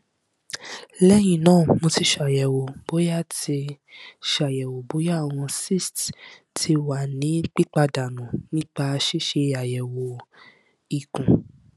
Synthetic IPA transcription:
lɛ˦j̃ĩ˨nãː˦˨mo˧ti˧ʃa˨jɛ˨wo˨b̥o˨˦ja˦˨ti˧ʃa˨jɛ˨wo˨bo˨˦ja˦˨w̃ɔ̃˧si˦˨st | tʰi˧wa˨nĩ˨˦k͡pi˦k͡pa˧da˨nũ˨nĩ˦k͡pa˧ʃi˦ʃe˧a˨jɛ˨wo˨ | i˨kũ˨

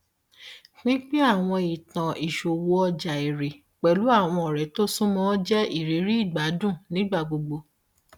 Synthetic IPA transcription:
nĩ˦k͡pi˦a˦˨w̃ɔ̃˧i˨tã˨ʔi˨ʃo˨wo˧ɔ˧d͡ʒa˨e˨ɾe˨ | k͡pɛ˨lu˨˦a˦˨w̃ɔ̃˧ɔ˨ɾɛ˨to˦sũ˦mɔ̃˦d͡ʒɛ˦ʔi˦˨ɾe˨˦ɾi˦i˦˨ɡ͡ba˨˦dũ˦˨nĩ˨˦ɡ͡ba˦˨ɡ͡bo˧ɡ͡bo˧

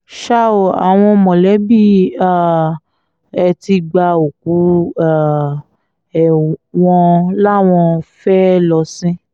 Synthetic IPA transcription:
ʃa˦o˨a˨w̃ɔ̃˧mɔ̃˨lɛ˨˦bi˦˨a˦˨ | ɛ˧ti˧ɡ͡ba˧o˨k̚u˨˦a˨ | ɛ˨w̃ɔ̃˧la˦˨w̃ɔ̃˧fɛ˦lɔ˧sĩ˦

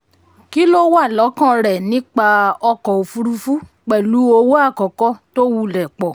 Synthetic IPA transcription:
ki˦lo˦wa˦˨lɔ˨˦kã˦˨ɾɛ˨nĩ˨˦k͡pa˧ɔ˧kɔ˨o˨fu˧ɾu˧fu˦ | k͡pɛ˨lu˨˦o˧wo˦a˦˨kɔ˨kɔ˦to˦wu˧lɛ˨k͡pɔ˨

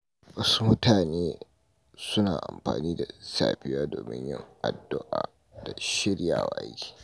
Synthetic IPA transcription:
wɐ˦su˦mʊ˦tʰaː˨neː˦ | sʊ˦naː˨ʔa˨mɸa̰ː˨niː˦da˨sa̰ː˨ɸɪ˦jaː˦doː˨mɪ̰˦ɲjɪ̰˦ŋʔa˨dːʊ˦ʔaː˨ | d̥a˨ʃɪ˦ɽja̰ː˨wa̰˨ʔa̰˦jkʲi̥ː˨

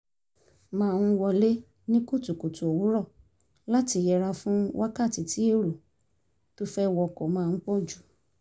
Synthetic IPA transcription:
mãː˧n̩˧˦wɔ˧le˦ | nĩ˦ko˦˨tu˨ko˨tu˨o˨wu˨˦ɾɔ˦˨ | la˦ti˧jɛ˧ɾa˧fũ˦wa˦ka˦˨ti˨ti˨˦e˦˨ɾo˨ | to˦fɛ˦wɔ˧˨kɔ˨mãː˧n̩˦k͡pɔ˦˨d͡ʒu˨˦

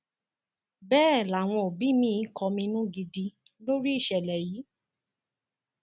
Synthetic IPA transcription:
bɛː˦˨la˨w̃ɔ̃˧o˨bi˨˦mĩ˦˧˦kɔ˧mĩ˧nũ˦ɡi˧di˧ | lo˦ɾi˦i˦˨ʃɛ˨lɛ˨jiː˨˦

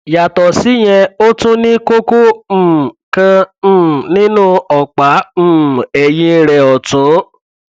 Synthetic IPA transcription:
ja˨tɔ˨si˦j̃ɛ̃˧o˦tũ˦nĩ˦ko˦kõ˦˨ | kã˧˦˨ | nĩ˦nũ˦ɔ˨k͡pa˨˦m̩̃˦ɛ˨jĩ˦ɾɛ˧ɔ˨to˨˦

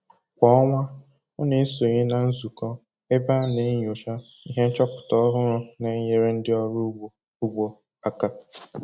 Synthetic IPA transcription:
kʷɔ˦ɔ˦ŋʷa˦ | ɔ˦ne˨˦so˨ɲe˦na˨n̩˦zu˨kɔ˦ | e˦ba˦ne˨˦ɲ˨o˨ʃa˦i˦ɦe˦n̩˦t͡ʃɔ˦pʊ̥˨tɔ˦ɔ˦ɦʊ˦ɾʊ˦ne˨˦ɲe˨ɾe˦n̩˦dɪ˦ɔ˦ɾʊ˦˨ | u˦ɡ͡bo˨ | a˦ka˦

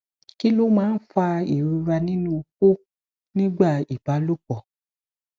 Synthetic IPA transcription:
ki˦lo˦mãː˦n̩˦fa˧i˨ɾu˧ɾa˧nĩ˦nũ˧ko˦ | nĩ˦ɡ͡ba˦˨i˨ba˨˦lo˦k͡pɔ˨

